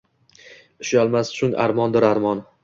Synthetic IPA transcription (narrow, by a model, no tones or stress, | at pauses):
ɪʃalˠmast͡ʃʰʊŋa̰ɾmɒnd̪ɪɾaɾmɒn